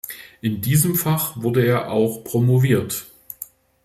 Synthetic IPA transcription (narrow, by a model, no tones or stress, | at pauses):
ʔɪndiːzəmfaχvʊɐdəeːɐʔaʊxpʁ̥omoviːɐt